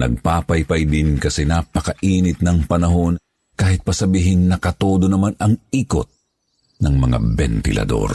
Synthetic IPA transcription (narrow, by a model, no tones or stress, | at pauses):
nɐ̰ɡ̚paːpɐjpɐjd̪ɪnkɐsɛnaːpɐkɐʔiːnɪt̪̚nɐŋpɐnɐɦon | kaːhɪt̪̚pɐsɐbiːɦɪŋnɐkɐt̪oːd̪onɐmanɐŋiːkot̪̚ | nɐŋmɐŋa̰bɛnt̪ɪ̰lʔɐ̰d̪o̞̰ɾ